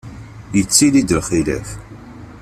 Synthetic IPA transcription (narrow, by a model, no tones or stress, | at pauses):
jət͡sːilid̪əlχilæ̰f